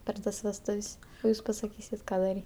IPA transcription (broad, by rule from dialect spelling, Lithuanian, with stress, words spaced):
pʲɛr ˈtɐs ʋʲɛsˈtʊwsʲ oː ˈjuːs pɐsɐˈkʲiːsʲɪt ˈkɑː dɐˈrʲiː